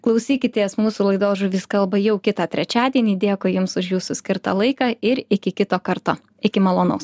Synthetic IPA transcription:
klˠɐʊsʲiːkʲɪt̪ʲeːsmuːsuːlˠɐɪd̪oːʒʊʋʲɪskɐlˠbɐjɛʊkʲɪt̪ɑːt̪ʲɾʲɛt͡ʃʲæːd̪ʲiɛnʲiːd̪ʲeːkʊːjʊmsʊʃjuːsʊsʲkʲɪɾt̪ɑ̰lˠɐɪkɑːɪɾɪkʲɪkʲɪt̪oːkɐɾt̪oː | ɪkʲɪmɐlˠoːnɐʊs

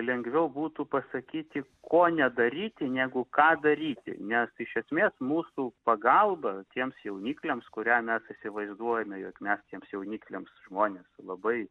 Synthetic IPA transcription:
lʲɛŋɡʋʲɛʊbuːt̪uːpɐsɐkʲiːt̪ʲɪkʰoːnʲɛd̪ɐɾʲiːt̪ʲɪnʲæːɡʊkɑːd̪ɐɾʲiːt̪ʲɪ̰nʲɛsɪʃʲɛsʲmʲeːsmuːsupɐɡɐlˠbɐt̪ʲiɛmsjɛʊnʲiːklʲemskʊɾʲæːmʲɛsɪsʲɪʋɐɪzd̪uɔjɛmʲɛjoːkmʲɛst̪ʲiɛmsjɛʊnʲiːklʲeːmsʒmoːnʲeːslˠɐbɐɪ

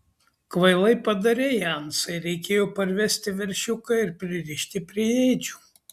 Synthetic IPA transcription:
kʋɐɪlˠɐɪpɐd̪ɐɾʲɛjɐnsɐɪɾʲɛɪkʲeːjoːpɐɾʲʋʲɛsʲt̪ʲɪʋʲɛɾʲʃʲʊkɐɪɾpʲɾʲɪɾʲɪʃʲt̪ʲɪpʲɾʲɪjɛɪd͡ʒʲuː

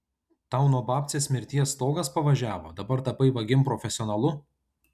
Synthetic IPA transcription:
t̪ɑˑʊnoːbɑːp̪ʲsʲeːsmʲɪɾʲt̪ʲiɛst̪oːɡɐspɐʋɐʒʲæːʋo̰ːd̪ɐbɐɾt̪ɐpɐɪʋɐɡʲɪmpɾɔfʲɛsʲɪɔːnɐlˠʊ

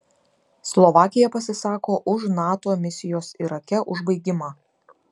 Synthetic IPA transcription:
slˠɔʋɑːkʲɪjɛpɐsʲɪsɑːkoːʔʊʃnɑːt̪oːmʲɪsʲɪjoːsiɾɐkʲɛʔʊʒbɐɪɡʲɪmɑː

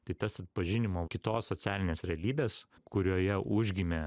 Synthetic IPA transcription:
t̪ɐɪt̪ɐsɐt̪̚pɐʒʲɪnʲɪmoːkʲɪt̪oːssosʲæːlʲɪnʲeːsɾʲɛɐlʲiːbʲeːs | kʰʊɾʲoːjɛʔʊʒʲɡʲɪmʲe

